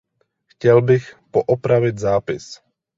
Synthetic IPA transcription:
xcɛlbixpɔʔɔpɾaʋiɟzaːpɪs

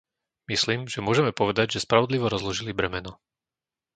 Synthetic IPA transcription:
misliːmʒɛmʊɔʒɛmɛpɔʋɛd̪aɟʒɛspɾaʋɔd̪liʋɔɾɔzlɔʒilibɾɛmɛnɔ

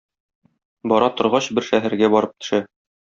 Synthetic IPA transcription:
bɒɾɑt̪ŏɾʁɑɕbɘɾʃæɦæɾɡæbɒɾɤp̚t̪ɵ̥̆ʃæ

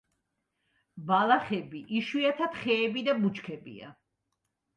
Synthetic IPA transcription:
balaχɛbiʔiʃwiat̪ʰat̪χɛːbid̪amut͡ʃkʰɛbḭa̰

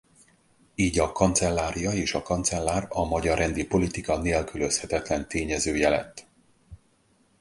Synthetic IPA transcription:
iːɟɒkɒnt̪sɛlːaːɾijɒeːʃɒkɒnt̪sɛlːaːrɒmɒɟɒrɛnd̪ipo̞lit̪ikɒneːlkylø̞shɛt̪ɛt̪lɛnt̪eːɲɛzøːjɛlɛ̰t̪ː

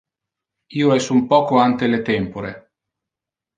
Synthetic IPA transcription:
iːoɛsumpɔːkoant̪elet̪ɛmpoɾḛ

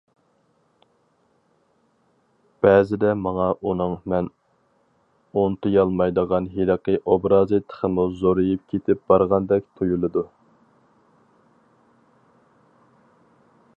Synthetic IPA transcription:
b̥ɛːzɪd̪ɛmɑŋɑʔunɨŋmɛn | ont̪ʰɨjɑlˠmɑjd̪əʁɑnɦiləqəʔobɾɑːzɨt̪ʰə̥χʰəmuzoɾɨjup̚kʲʰet̪ʰɪp̚b̥ɑɾʁɑnd̪ɛk̚ʲt̪ʰojulˠɨd̪u

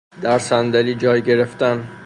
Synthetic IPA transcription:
d̪æɾsænd̪æliːd͡ʒɒːjɟe̞ɾe̞ft̪æn

